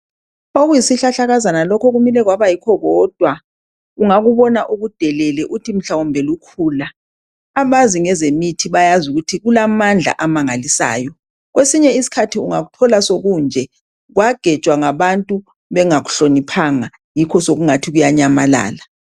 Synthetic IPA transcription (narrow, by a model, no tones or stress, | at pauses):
oɣujisiɬaɬaɣazanalɔkʰɔɣumilɛɣwaβajikʰɔɣɔːd̥ʱwa | uŋaɣuβɔnaʔuɣud̥ʱɛlɛlɛʔutʰim̩ɬawɔmbʱɛlukʰuːlaː | maziŋɛzemitʰiβajazuɣutʰiɣulamand͡ɮʱa̰ʔamaŋalisa̰ːjɔ | ɣwesiɲɛisi̥kʰatʰiuŋaɣutʰɔlasoɣund͡ʒʱɛ | ɣwaɡ̥ʱɛ̥t͡ʃʼwaŋaβantʼu | βɛŋaɣu̥ɬonipʰaŋa | jikʰɔsoɣuŋatʰiɣujaɲamala̰ːla